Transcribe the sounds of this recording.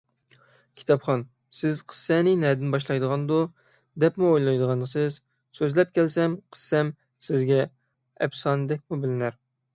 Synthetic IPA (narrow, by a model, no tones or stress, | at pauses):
kʲʰi̥t̪ʰɑpχɑn | sɪzqʰə̥sːɛnɪnɛd̪ɪnbɑʃ̬lˠɑjd̪əʁɑnd̪u | d̪ɛpmuojlˠɑjd̪əʁɑnd̪ɨsɨz | søzlɛp̚kʲʰɛlsɛmqʰə̥sːɛm | sɪzɡʲɛ | ɛbsɑːnɨd̪ɛk̚ʲmubɪlɪnæɾ